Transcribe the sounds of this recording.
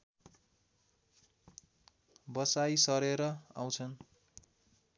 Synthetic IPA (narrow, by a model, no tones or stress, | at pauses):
bʌsajsʌɾeɾʌa̰w̃t͡sʰʌn